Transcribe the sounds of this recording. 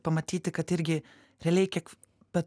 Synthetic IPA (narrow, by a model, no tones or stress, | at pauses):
pɐmɐt̪ʲiːt̪ʲɪkɐt̪ɪɾʲɡʲɪ | ɾʲɛlʲɛɪkʲiɛk | bʲɛt̪